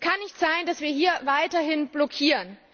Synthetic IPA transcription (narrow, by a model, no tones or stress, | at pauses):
kʰanːɪçtz̥aɪndasv̥iːɐɦiːɐvaɪtɐhɪnb̥lɔkʰiːʁən